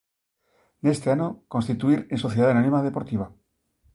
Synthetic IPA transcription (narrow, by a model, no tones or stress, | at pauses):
nest̪eanoko̞nst̪it̪uiɾenso̞θjeðaanonĩmaðe̞po̞ɾt̪iβ̞a